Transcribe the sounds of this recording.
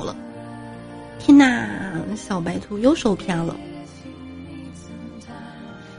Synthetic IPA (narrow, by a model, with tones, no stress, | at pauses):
lə̰˨ | t̪ʰjɛ˥nna˥˩ɕjɑ˨˩ʊpa˧˥ɪt̪ʰu˧˥jo˥˧˩ʊʂo˨˩ʊpʰja˥lə̰˨